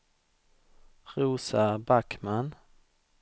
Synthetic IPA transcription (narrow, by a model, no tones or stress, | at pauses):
ɾuːsabakman